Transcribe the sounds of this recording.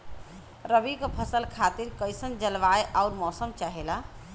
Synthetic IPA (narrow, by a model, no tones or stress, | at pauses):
ɾəbikəpʰəsəlkʰat̪iɾkəjsənd͡ʒəlʋaeʔauɾmɔsəmt͡ʃaɦela